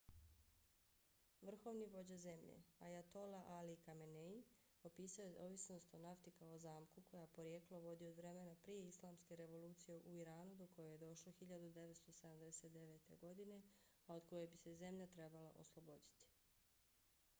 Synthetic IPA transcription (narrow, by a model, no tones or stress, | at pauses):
ʋr̩xo̞ʋniʋo̞d͡ʑaze̞mʎḛajat̪o̞laʔalikamenei | o̞piːsajeo̞ʋisno̞st̪o̞naft̪ikaozaːmkuko̞japo̞ɾije̞ːklˠoʋo̞d̪iod̪ʋɾe̞menapɾijeislˠaːmske̞ɾe̞ʋo̞luːt̪sije̞ʔuiɾaːnud̪o̞ko̞joje̞d̪o̞ʃloxiʎad̪ud̪e̞ʋet̪st̪osed̪amd̪e̞se̞t̪d̪e̞ʋe̞ːt̪e̞̰ɡo̞d̪ine̞ao̞d̪ko̞jebise̞ze̞mʎat̪ɾe̞balaʔo̞̰slˠo̞bo̞d̪it̪i̥